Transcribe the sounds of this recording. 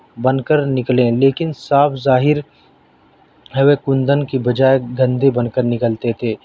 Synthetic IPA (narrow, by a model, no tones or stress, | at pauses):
bɐ̃nkəɾnɪklẽleːkɪnsaːpʰzaːɦɪɾ | ɦɛʋekʊ̃nd̪ənkibɐd͡ʒaːeɡɐ̃nd̪ebɐ̃nkəɾnɪkəlt̪et̪ʰeː